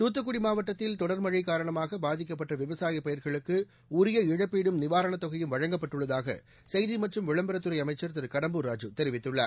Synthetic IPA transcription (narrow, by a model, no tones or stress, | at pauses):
t̪uːt̪̬ːɯkːʊɽimaːʋɐʈːɐt̪ːɪlt̪ɔɽɐɾmɐɻɪkːaːɾɐɳɐmaːɣɐbaːðɪkːɐpːɐʈːɐʋɪʋɐsaːjɐpːɐjɐɾɣɐɭɯkːɯ | ʊɾɪjɐɪɻɐpːiːɽɯmnɪʋaːɾɐɳɐt̪ːɔɣɐjɯmʋɐɻɐŋɡɐpːɐʈːɯɭːɐðaːɣɐ̰ | sɛjðimɐʈrɯmʋɪɻɐmbɐɾɐt̪ːɯɾɐɪɐmɐɪt͡ʃːɐɾt̪ɐɾkɐɽɐmbuɾaːd͡ʒɯt̪ɛɾɪʋɪt̪ːɯɭːɐ̰